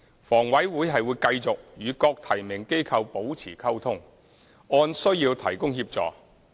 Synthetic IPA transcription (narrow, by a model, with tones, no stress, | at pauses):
fɔː˨˩ŋwɐ˨˥jwuː˨˥jɦɐ˨jwuː˨˧jkɐ˧jt͡sʊ˨k̚jyː˨˧kɔː˧k̚t̪ʰɐ˨˩jmɪ˨˩ŋke˥jkʰɐ˧wpo˨˥wt͡sʰiː˨˩kʰɐ˥wt̪ʰʊ˥ŋ | ɔː˧nsɵ˥ɥjiː˧wt̪ʰɐ˨˩jkʊ˥ŋhiː˧p̚t͡sɔ̰ː˨˩k